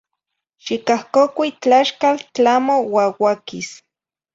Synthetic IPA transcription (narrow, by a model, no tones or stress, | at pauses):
ʃikahkokʷit͡ɬaʃkalt͡ɬamowawakis